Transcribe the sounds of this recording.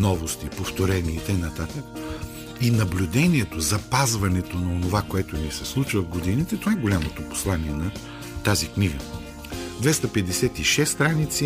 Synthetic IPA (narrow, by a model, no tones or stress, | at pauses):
nɔvost̪ipoft̪oɾɛniit̪ɛjnɐt̪at̪ək | inɐblʲʊd̪ɛniɛt̪ozɐpazvɐnɛt̪onɐonovakoɛt̪onisɛslˠut͡ʃvəvɡod̪init̪ɛt̪ovaɛɡolʲamot̪opo̥slˠaniɛnɐ | t̪azikniɡə | d̪vɛst̪ɐpɛd̪ɛsɛt̪iʃɛsːt̪ɾanit̪si